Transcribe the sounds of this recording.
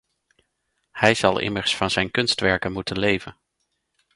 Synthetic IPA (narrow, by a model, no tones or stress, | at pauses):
hɛjz̥ɑlˠɪ̰məɹsfɑnzɛjnkɵnstʋɛɹkənmutənlejvən